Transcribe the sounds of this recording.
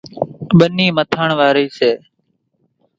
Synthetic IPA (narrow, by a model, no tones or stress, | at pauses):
ɓəniːmət̪ʰəɳʋaːɾiːseː